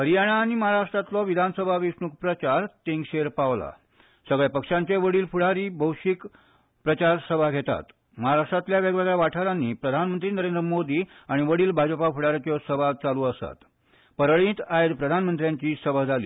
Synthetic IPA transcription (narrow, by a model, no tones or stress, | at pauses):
ɦəɾijaɽ̃aːɽ̃iməɦaɾaʂʈɾat̪lɔʋid̪ʱansəbʱaʋisɳuk̚pɾət͡ɕaɾt̪eŋɡɕeɾpaʋla̰ | səɡɭɛpəkʂaɲt͡ɕeʋəɽiːlfuɽ̤aɾiːbʱəwɕik | pɾət͡ɕaɾsəbʱaɡʱet̪a̰t̪ | məɦaɾaʂʈɾat̪ljaʋeɡʋeɡɭɛʋaʈʰaɾanːiːpɾəd̪ʱanmənt̪ɾiːnəɾend̪ɾəmod̪iː | aɽ̃iʋəɽiːlbʱad͡ʑpafuɽ̤aɾat͡ɕɔsəbʱat͡saluːəst̪a̰t̪ | pəɾɭĩːt̪ajed̪pɾəd̪ʱanmənt̪ɾjãɲt͡ɕiːsəbəd͡zʱalḭː